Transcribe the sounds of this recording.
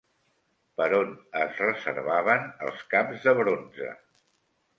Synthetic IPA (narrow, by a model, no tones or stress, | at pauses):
pəɾonəzrəzə̰ɾβaβənə̰lˠskamzðəβɾonzə̰